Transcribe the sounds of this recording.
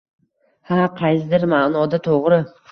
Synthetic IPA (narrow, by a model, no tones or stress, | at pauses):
haqʰɑjsɪd̪ɪɾmanɒd̪at̪ʰoʁɾɪ